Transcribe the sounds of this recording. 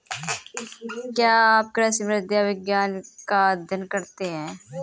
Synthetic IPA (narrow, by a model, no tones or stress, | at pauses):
kjaːp̚kɾɐsimɾɪd̪jaʋɪɡjaːnkad̪ʱənkɐɾt̪eɦɛ̃ː